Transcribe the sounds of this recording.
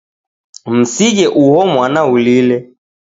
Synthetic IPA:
m̩siʄɛʔuhɔmwanaulilɛ

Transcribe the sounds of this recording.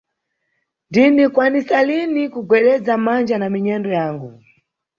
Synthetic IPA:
ndinikwanisalinikuɡwɛɗɛd͡zamand͡ʒanamiɲɛndɔjaːŋɡu

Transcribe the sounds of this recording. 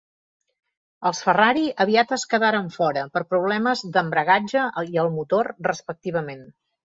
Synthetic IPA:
əlˠsfəraɾiəβiat̪əskəðaɾəɱfɔɾəpəɾpɾuβ̞lɛməzd̪əmbɾəɣ̞ad͡ʒəiəlˠmut̪orrəspək̚t̪iβ̞əmen

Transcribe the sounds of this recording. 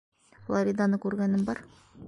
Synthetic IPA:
flˠoɾʲid̪anɤkʉɾɡænɘmbɒɾ

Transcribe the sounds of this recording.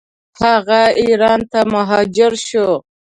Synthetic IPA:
haɣaiɾɑːnt̪amaɦɑd͡ʒɪɾʃo

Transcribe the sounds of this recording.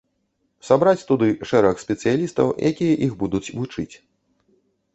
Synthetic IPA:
sabɾat͡sʲt̪ud̪ɨʂɛɾɐxsʲpʲɛt̪sɨjalʲist̪ɐ̰wjʔa̰kʲijɐʔixbud̪ut͡sʲvut͡ʂɨt͡sʲ

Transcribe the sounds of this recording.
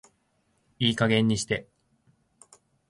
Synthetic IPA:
iːkaɡẽ̞ɲ̟ːiɕi̥t̪e̞

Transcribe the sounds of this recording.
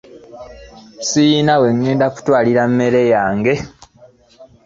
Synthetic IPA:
sijinawe̞ŋːe̞ːndaku̥twaːliɾamːe̞ɾe̞jaːŋɡe̞

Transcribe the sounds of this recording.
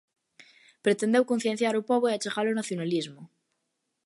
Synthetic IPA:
pɾet̪end̪ewkõn̟θjen̟θjaɾopoβoiat͡ʃeɣalonaθjonalizmo

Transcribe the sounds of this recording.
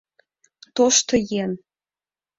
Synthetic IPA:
t̪oʃt̪ɤ̆jen

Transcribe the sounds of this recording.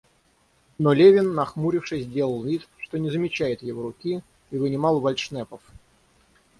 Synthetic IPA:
nolʲevʲɪnːɐxmuɾʲɪfʂɨsʲzʲdʲe̞lˠəlˠvʲit̪ʂt̪o̞nʲɪzəmʲɪt͡ɕæjɪt̪jɪvoɾʊkʲi | ivənʲɪmɑlˠvɐlʲt̪ʂnɛpəf

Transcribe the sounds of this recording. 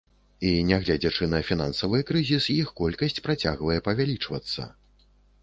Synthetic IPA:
inʲaɣlʲad͡zʲɛt͡ʂɨnɐfʲina̰nsɐvɨjkɾɨzʲisjixkɔlʲkɐsʲt͡sʲpɾat͡sʲaɣvɐjɛpɐvʲalʲit͡ʂvɐt̪sːɐ̰

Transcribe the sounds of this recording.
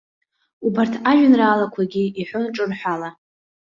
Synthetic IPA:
ubartʰaʒʷᶣʊnraːlakʷʰaɡʲiiħʷonʈ͡ʂʼɨrħʷᶣala

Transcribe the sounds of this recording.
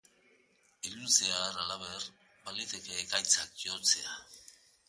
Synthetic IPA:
ilusearalaβe̞r | balit̪ekeːkajt͡sak̚ʝo̞t͡se̞a

